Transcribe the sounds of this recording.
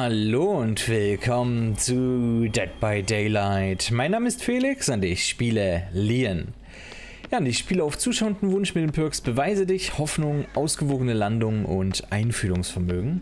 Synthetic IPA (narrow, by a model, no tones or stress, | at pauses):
haloːʊntv̥ɪlkʰɔmənt͡sudɛt̚b̥aɪdɛɪlaɪtmaɪnːaːməɪstfeːlɪksandɪçʃpiːlɐliːən | jaːndɪçʃpiːləaʊft͡suːʃaʊəndn̩vʊnʃmɪt̚deːmpʰʏɐksb̥əvaɪzədɪçhɔfnʊŋʔaʊsɡ̥əvoːɡənəlandʊŋʔʊ̰ntʔaɪnfyːʁʊŋsfɛɐmøːɡŋ̩